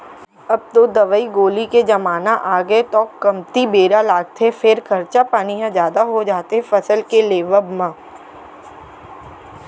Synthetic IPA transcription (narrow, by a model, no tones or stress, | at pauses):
ɐb̚t̪oːd̪ɐʋəiɡoːliked͡ʒɐmaːnaʔaːɡet̪ɔːkːɐmt̪ibeːɾalaːɡt̪ʰefʰɪɾkʰɐɾt͡ʃapaːniɦãd͡ʒjaːd̪aɦod͡ʒaːt̪eɦɛfɐsəlkeleːʋəbmãː